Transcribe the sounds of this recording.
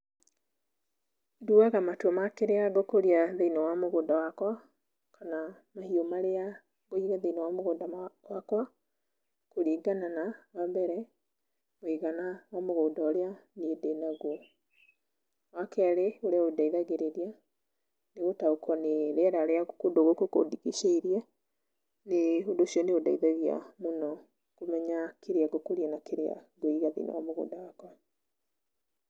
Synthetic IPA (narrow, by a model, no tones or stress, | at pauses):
duaɣamatwɔmakeɾeaɡokoɾiaðeinɔwamoɣoːndawakwa | kʰana | mahiomaɾea | ɣoiɣaðeinɔwamoɣoːndawakwa | koɾiɡananawambɛɾɛ | moiɣanawamoɣoːndaoɾeanedenaɣo | wakɛɾeoɾeaodaiðaɣeɾeɾia | neɣotaokʰɔneɾeɛɾaɾeaɣokodoɣokoko̰diɣiʃeiɾja | neondosʃiɔneodaiðaɣia̰monɔ | komɛɲakeɾeaɡokoɾiɛnakeɾea̰ɡoiɣaðḭna̰wamoɣo̰ːndawakwa